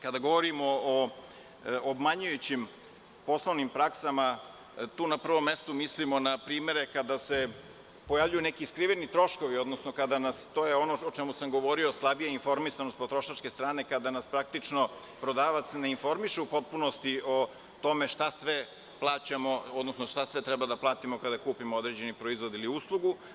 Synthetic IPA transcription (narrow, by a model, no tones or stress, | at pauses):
kad̪aɡo̞ʋoɾimoo | obmaɲujut͡ɕim | po̞slˠoʋnimpɾaksama | t̪uːnapr̩ʋo̞mːest̪umislimo̞napɾiːme̞ɾekad̪ase̞ | pojavʎujunekiːskɾiʋenit̪ɾo̞ʃko̞ʋio̞d̪nosnokad̪anast̪oːjeo̞noot͡ʃemusamɡo̞ʋo̞ɾio̞slˠabijainfo̞ɾmisanost̪po̞t̪ɾoʃat͡ʃkest̪ɾaːne̞kad̪anaspɾak̚t̪it͡ʂno | pɾo̞d̪aːʋat̪sne̞info̞ɾmiʃeupo̞t̪̚punost̪iʔo̞ | t̪o̞me̞ʂt̪asʋe | plˠaːt͡ɕamo̞od̪nosnoʃt̪asʋet̪ɾɛbad̪aplˠaːt̪imokad̪akuːpimood̪ɾed͡ʑe̞nipɾoizʋo̞d̪iliuːslˠuɡu